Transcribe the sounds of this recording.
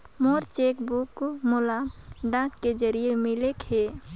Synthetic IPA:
moɾt͡ʃekbukːomolaɖãkːed͡ʒəɾijemɪlekɦe

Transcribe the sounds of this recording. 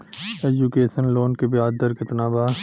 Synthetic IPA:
eːd͡ʒukeːʃənloːnkebɪjaːd̪əɾkɪt̪naːbaː

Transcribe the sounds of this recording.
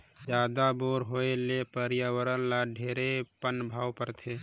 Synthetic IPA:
d͡ʒjaːd̪aboːɾɦoelepəɾijəwəɾənlaɖʱeːɾepənbʱaːwpəɾt̪ʰeː

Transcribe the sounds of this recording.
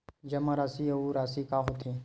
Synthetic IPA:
d͡ʒɐmaɾaːsiɐuɾaːsikaɦot̪ĩ

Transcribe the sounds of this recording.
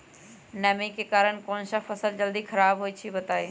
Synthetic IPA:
nɛmekekaːɾənkõːnsafʰəsəld͡ʒəld̪ikʰɐɾaːbɦoːit͡ʃʰibɐt̪aːi

